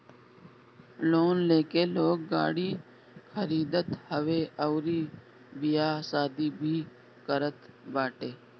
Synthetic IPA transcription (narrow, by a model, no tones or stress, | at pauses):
loːnleːkeːloːɡ̚ːa̰ːɽiː | kʰəɾiːd̪ət̪həʋeːʔəʊɾiː | bɪjaːsaːd̪iːbʱiː | kəɾət̪baːʈeː